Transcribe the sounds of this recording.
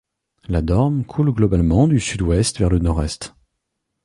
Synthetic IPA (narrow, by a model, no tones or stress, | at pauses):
lad̪ɔʁmkʰulɡlɔbalmɑ̃d̪ysyd̪wɛst̪vɛʁlənɔʁɛst̪